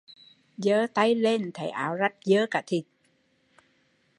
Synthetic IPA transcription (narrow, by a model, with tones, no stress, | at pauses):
zəː˨˧˦t̪a˧jle˧nt̪ʰə˨˩˦jʔa̰ː˨˩˦wza˦˥t̚zəː˨˦kaː˧˩t̪ʰi˨˩t̚